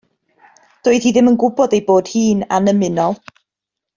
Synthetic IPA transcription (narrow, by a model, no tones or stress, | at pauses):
d̥ʊːɨðhiːðɪmənɡʊbɔdejboːd̥hiːnanəmɪnɔlˠ